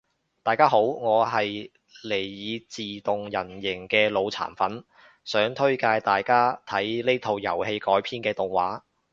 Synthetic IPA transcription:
t̪aː˨jkaː˥ɦo˨˥wŋɔː˨˧ɦɐ˨j | le˨˩jːiː˨˧t͡siː˨t̪ʊ˨ŋjɐ˨˩njɪ˨˩ŋkɛː˧lo˨˧wt͡sʰa̰ː˨˩nfɐ˨˥n | sœː˨˥ŋt̪ʰɵ˥ɥkaː˧jt̪aː˨jkaː˥t̪ʰɐ˨˥jle˥jt̪ʰo˧wjɐ˨˩whe˧jkɔː˨˥jpʰiː˥nkɛː˧t̪ʊ˨˩ŋwa̰ː˨˥

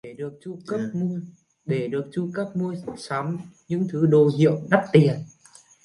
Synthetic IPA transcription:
e˧˩ɗɨ˨˩ək̚t͡ɕu˧kə˦˥p̚mu˧əj | ɗe˧˩ɗɨ˨˩ək̚t͡ɕu˧kəː˦˥p̚mu˧əjsaː˨˦mɲɨ̰˧˥ŋt̪ʰɨ˨˦ɗo˨˩ɦḭ˧˨əwɗa˦˥p̚t̪i˨˩ən

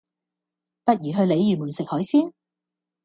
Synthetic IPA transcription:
pɐ˥t̚jyː˨˩ɦɵ˧ɥle˨˧jjyː˨˩muː˨˩nsɪ˨k̚hɔː˨˥jsiː˥n

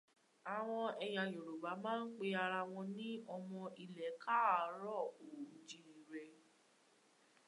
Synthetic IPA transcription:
a˨w̃ɔ̃˧ɛ˧j̃ã˨jo˨ɾo˨ba˨˦mãː˦n̩˦k͡pe˧a˧ɾa˧w̃ɔ̃˧nĩ˦ɔ˧mɔ̃˧i˧˨lɛ˨˦ka˦˨˦ɾɔ˦˨o˨d͡ʒĩ˨˧i˨ɾɛ˧

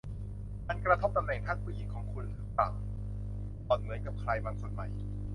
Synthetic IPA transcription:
ma˧nkɾa˧t̪ʰo˦˥p̚t̪a˧mnɛ˨˩ŋt̪ʰaː˥˩puː˧˩ʔiː˨˩kʰːɔː˩˦ŋkʰu˧nt̪ʰɯː˩˦ŋt̪a̰ː˨˩ŋ | ʔɔː˨˩t̪̚mɯ˩˦nka˨˩p̚kʰɾaː˧jmaː˧nso˨˩n̚ma̰˨˩j

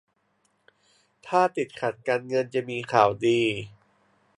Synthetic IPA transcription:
t̪ʰaː˥˩t̪i˨˩t̪̚kʰa˨˩t̪̚kaː˧nŋɤ˧nt͡ɕa˨˩miː˧kʰaː˨˩wdiː˧

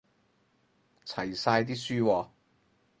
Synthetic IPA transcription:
t͡sʰɐ˨˩jsaː˧jt̪iː˥syː˥wɔː˧

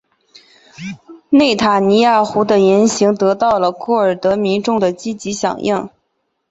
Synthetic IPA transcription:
ne˥˩ɪt̪ʰa˨˩ni˧˥ja˥˩xu˧˥d̪ə˧jɛ˧˥nɕi˧˥ŋt̪ɤ˧˥t̪ɑ˥˩ʊlə˩kʰɔ˥˩ə˞˨˩t̪ɤ˧˥mi˧˥nʈ͡ʂʊ˥˩ŋd̪ə˩t͡ɕi˥t͡ɕi˧˥ɕjɑ̰˨˩ŋjʔi˥˩ŋ

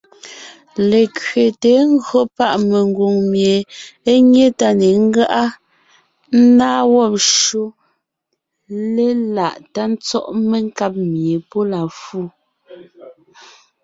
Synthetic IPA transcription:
le˨kɥe˨te˨˦ŋ̩˦ɡɰo˦pa˦˨ʔme˨ŋ˦ɡwo˨ŋmje˨e˦ɲe˦ta˦ne˨ŋ̩˦ɡa˦ʔa˦ | n̩˦naː˦wɔ˦p̚ʃo˦ | le˦la˨ʔta˦n̩˦t͡sɔ˦ʔme˦ŋ˦ka˦p̚mje˨po˦la˨fu˦˨

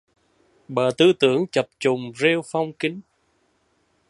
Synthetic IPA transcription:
ɓəː˨˩t̪ɨ˧t̪ɨ˧˦əŋt͡ɕə˨˩p̚t͡ɕʊ˨˩ŋ͡mze˧wfa˧wŋ͡mki˨˦ŋ̟

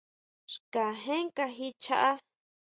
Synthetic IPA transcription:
ʃka˨ɦẽ˦ŋka˧ɦi˦t͡ʃa˧˦ʔa˦

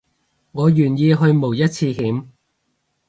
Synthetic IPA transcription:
ŋɔː˨˧jyː˨˩njiː˧ɦɵ˧ɥmo˨˩wjɐ˥t̚t͡sʰiː˧hiː˨˥m

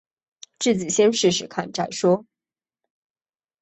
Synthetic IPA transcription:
ʈ͡ʂɻ̩˥˩t͡ɕi˨˩ɕjɛ˥nʂɻ̩˥˩ʂɻ̩˨˩kʰa˥˧nʈ͡ʂa˥˩ɪʂwɔ˥

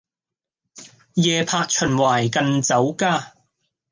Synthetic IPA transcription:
jɛː˧pʰaː˧t̚t͡ʃʰɵ˨˩nwaː˨˩jkɐ˨˧nt͡sɐ˨˥wkaː˥

